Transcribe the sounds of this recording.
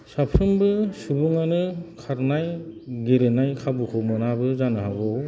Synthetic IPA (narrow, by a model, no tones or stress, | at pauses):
sapʰɾɯmbɯsubuŋanɯkʰaɾnajɡeɾenajkʰabukʰɯmɔnabɯzanɯɦaɡɔw